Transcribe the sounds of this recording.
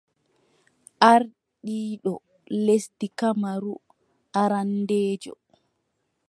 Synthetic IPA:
ʔaɾ | ɗiːɗɔ | lestikamaɾu | ʔaɾandeːd͡ʒɔ̰

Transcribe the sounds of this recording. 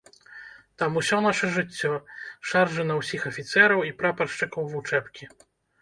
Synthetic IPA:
t̪amusʲɔnaʂɐʐɨt͡sʲːɔʂarʐɛnɐwsʲixɐfʲit̪sɛɾɐwipɾapɐrʂt͡ʂɨkɐwvut͡ʂɛpkʲi

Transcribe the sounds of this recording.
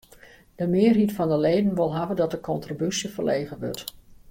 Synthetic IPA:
d̥əmɪːɹɦitfɑndəlejdənʋɪlˠɦavədɑtdəkɔntribysivəɹlejχəʋɔ̰ɹt

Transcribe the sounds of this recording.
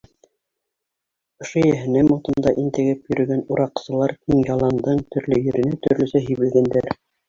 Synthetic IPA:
ŏʃojæɦɘ̆næmot̪ɤ̆nd̪ɑʔint̪ɘ̆ɡɘpjɵ̆ɾɵ̆ɡænuɾɑqsɤ̆lˠɑɾkiŋjɑlˠɑnd̪ɤɴt̪ʰɵ̆ɾlɵjɵ̆ɾɘ̆næt̪ɵ̆ɾlɵ̆sæɦĭjβɘ̆lɡænd̪æɾ

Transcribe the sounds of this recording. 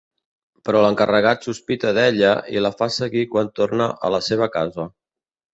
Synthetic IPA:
pɾɔləŋkərəɣat̪suspit̪əðɛʎəḭləfasəɣikwant̪ornəʔə̰ləseβ̞əkazə

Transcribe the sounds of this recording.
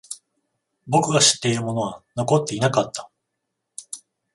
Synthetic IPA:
bo̞kɯ̟ɡaɕi̥t̪ːe̞iɾɯmo̞no̞βano̞ko̞t̪ːe̞inakat̪ːḁ

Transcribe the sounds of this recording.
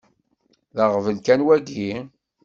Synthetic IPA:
ðəʁvənkænwæɡi

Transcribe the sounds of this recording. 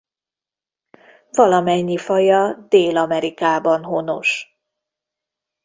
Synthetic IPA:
vɒlɒmɛɲːifɒjɒd̪eːlɒmɛɾikaːbɒnɦono̞̰ʃ

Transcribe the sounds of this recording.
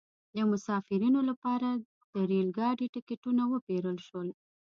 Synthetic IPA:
d̪əmʊsɑfɪɾinolapɑɾa | d̪̥əɾelɡɑɖiʈɪkɪʈunawəpeɾəlʃwəl

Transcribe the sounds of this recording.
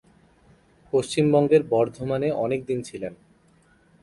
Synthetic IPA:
poʃt͡ɕimbɔŋɡeɾbɔɾd̪ʱomaneʔɔnek̚d̪int͡ɕʰilen

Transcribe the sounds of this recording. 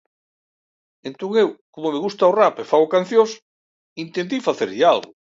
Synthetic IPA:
ent̪oŋewkomomeɣust̪aorapefaɣokan̟θjos | int̪ent̪ifaθeɾʎealɣʊ

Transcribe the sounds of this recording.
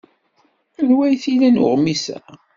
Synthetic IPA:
ənwæjθilænʊ̰ʁmisæ̰

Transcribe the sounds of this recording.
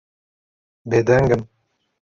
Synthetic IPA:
bed̪ɛŋɡɨm

